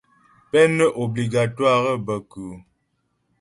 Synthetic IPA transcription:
pɛ˦nə˦ʔo˨bli˨ɡa˨twa˦˨ɣə˦bə˨ku˨

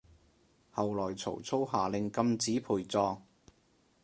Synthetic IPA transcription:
hɐ˨wlɔː˨˩jt͡sʰo̰˨˩wt͡sʰo˥wɦaː˨˩lɪ˨ŋkɐ˧mt͡siː˨˥pʰuː˨˩jt͡sɔː˧ŋ

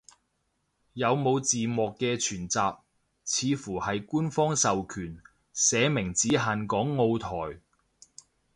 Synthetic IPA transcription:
jɐ˨˧wmo˨˧wt͡siː˨mɔː˨kːɛː˧t͡ʃʰyː˨˩nt͡saː˨p̚ | t͡sʰiː˨˧fuː˨˩hɐ˨jkuː˥nfɔː˥ŋsɐ˨wkʰyː˨˩n | sɛː˨˧mɪ˨˩ŋt͡siː˨˥ɦaː˨nkɔː˨˥ŋːo˧wt̪ʰɔː˨˩j

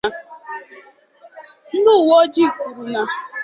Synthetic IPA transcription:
n̩˦dʊ˦˨wo˦d͡ʒi˦˨ku˨ɾu˨na˨

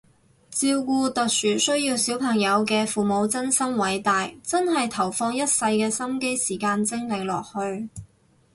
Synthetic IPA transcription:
t͡siː˧wkuː˧t̪ɵ˨t̚syː˨˩sɵ˥ɥjiː˧wsiː˨˥wpʰɐ˨˩ŋjɐ˨˧wkɛː˧fuː˨mo˨˧wt͡sɐ˥nsɐ˥mwɐ˨˥jt̪aː˨jt͡sɐ˥nɦɐ˨jt̪ʰɐ˨˩wfɔː˧ŋjɐ˥t̚sɐ˧jkɛː˧sɐ˥mke˥jsiː˨˩kaː˧nt͡sɪ˥ŋlɪ˨˩ŋlɔ̰ː˨k̚hɵ˧ɥ

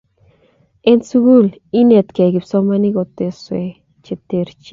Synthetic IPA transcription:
e˦nt͡su˦ɡu˦l | i˦ne˧t̪ke˨ɡi˨pso˧ma˧ni˦ɡo˧t̪e˧swe˧ | t͡ʃe˧t̪e˧ɾt͡ʃi˧

